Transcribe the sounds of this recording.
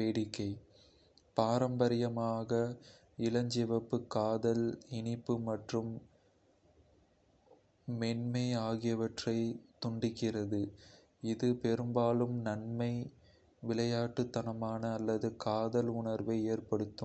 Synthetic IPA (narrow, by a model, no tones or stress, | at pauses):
peːɽɪkːɐɪ | paːɾɐmbɐɾɪjɐmaːɣɐ | ɪlɐɲd͡ʒɛʋɐpːɯkːaːðɐlɪnɪpːɯmɐʈrɯm | ɛnmɐɪaːɣɪjɐʋɐʈrɐɪt̪ʊɳɖɪkːɪrɐðɯ | ɪðɯpɛɾɯmbaːlɯmnɐɳmɐɪ | ʋɪlɐjaːʈːɯt̪ːɐnɐmaːnɐːlːɐðɯkaːðɐlʊɳɐɾʋɐɪeːrpɐɽɯt̪ːɯm